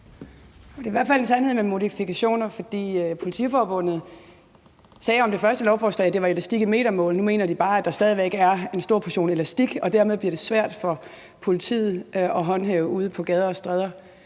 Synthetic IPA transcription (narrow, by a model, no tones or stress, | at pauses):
ɒd̥e̝iʋæɐ̰̥fæl̰e̝nsænhḛmemo̝ðˠifikʰæɕo̝̰ːnɐfɒ̽d̥ḭːøpʰo̝lit͡sʰḭfɒːb̥ɔ̽n̰ð̩ˠ | sɛːɒ̽md̥efɶɐsd̥əlɒʊfɒːslɛ̰ːɪd̥e̝ʋɑ̈elæsd̥iɡ̥əme̝̰ːɾ̥ɐmɔ̰ːlnume̝̰ːnɐd̥ib̥ɑ̈ːæd̥ɑ̈sd̥ɛðˠiʋeɡɡ̥əæɐe̝nsd̥o̝ɐ̰pʰæɐɕo̝̰ːnelæsd̥iɡ̥ɒ̽d̥æɐ̰meðˠbliɐɾ̥e̝sʋæɐ̰d̥fɒ̽ | pʰo̝lit͡sʰḭːð̩ˠʔɒ̽ɦɒ̽nɦɛʊuːð̞ˠpʰɒ̽ɡ̥ɛð̞ˠɐɒsd̥ʁɛð̞ˠɐ